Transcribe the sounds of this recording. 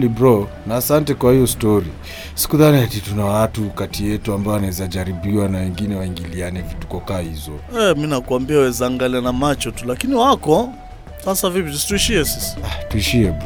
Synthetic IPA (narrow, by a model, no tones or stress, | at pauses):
libɾɔ | naːsantɛkwahijɔstɔɾi | si̥kuðaniatitunawatukatijɛtuambaɔanaɛzad͡ʒaɾibiwanawɛŋɡinɛwaiŋɡilianɛvitu̥kɔkaːhizɔɛminakuambiawɛzaːŋɡalianamat͡ʃɔtulakiniwakɔ | sasavipitusi̥tuiʃiɛsisḁatuiʃiɛb